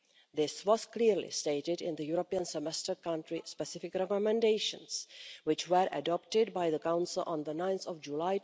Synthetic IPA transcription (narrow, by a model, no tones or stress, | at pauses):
ðɪswɔz̥kliɾlḭsteɪɾɪdɪ̰̃nd̪əjuɾopiə̃nsɛmɛstə˞kʌ̃ntɹispɛsɪfɪkɾɛkɔmɛ̃ndeɪʃə̰̃nswɪt͡ʃwəɾʔə̰dɔp̚tɪd̚baɪðəkãʊ̃nsɪlʔə̰̃nðənãɪ̃nθɔvd͡ʒulaɪ